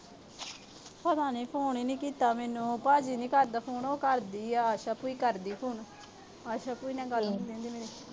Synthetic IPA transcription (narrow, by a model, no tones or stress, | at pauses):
pəd̪aːniːpʰoːɳiːniːkiːt̪aːmɛːnũːpaːd͡ʒiːniːkəɾd̪aːpʰoːnoːkəɾd̪iːaːʃaːpuːiːkəɾd̪iːpʰuːn | aːʃaːpuːiːnɛ̃ːɡəlnd̪ẽnd̪iːmeːɾeː